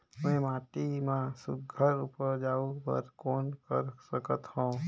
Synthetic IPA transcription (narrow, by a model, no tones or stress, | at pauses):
mɛ̃ːmaːʈimãsʊɡʱəɾupəɾd͡ʒaːubə̰ɾkoːnkə̰ɾsəkət̪hõː